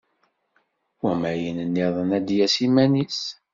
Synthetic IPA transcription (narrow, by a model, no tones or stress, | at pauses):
wæmæjənənːiðˤənæd̪jæsimænis